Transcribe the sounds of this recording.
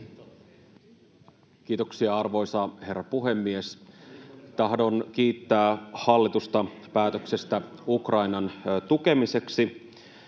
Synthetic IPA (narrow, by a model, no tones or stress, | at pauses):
k̟iːt̪o̞ksiɑɑrʋo̞jsɑhe̞rːɑpuɦe̞mːie̞s | t̪ɑɦdo̞nk̟iːt̪ːæːhɑlːit̪ust̪ɑpæːt̪øksest̪æukrɑinɑnt̪uke̞mise̞ksi